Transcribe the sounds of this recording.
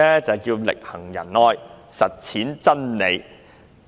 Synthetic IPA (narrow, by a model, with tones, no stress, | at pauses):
ɛ˥t͡sɐ˨wkiː˧wlɪ̰˨k̚hɐ˨˩ŋjɐ̰˨˩nɔː˧jsɐ˨t̚t͡sʰiː˨˥nt͡sɐ˥nne˨˧j